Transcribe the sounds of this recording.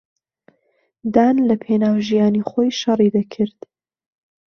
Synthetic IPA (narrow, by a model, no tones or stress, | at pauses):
d̪aːnlɐpʰenaːwʒijaːniχojʃɑrid̪ɐkʰɨɾd̪̥